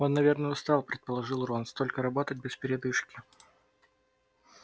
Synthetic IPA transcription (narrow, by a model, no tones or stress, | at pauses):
o̞nːɐvʲe̞rnəʊst̪ɑlˠpɾʲɪt̪̚pəlˠɐʐɨlˠronst̪o̞lʲkəɾɐbo̞t̪ət̚ʲbʲɪspʲɪɾʲɪd̪ɨʂkʲɪ̥